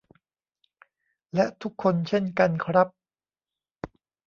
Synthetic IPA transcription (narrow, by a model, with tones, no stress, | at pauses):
lɛ˦˥ʔt̪ʰu˦˥kʰːo˧nt͡ɕʰe˥˩nka˧nkʰɾa˦˥p̚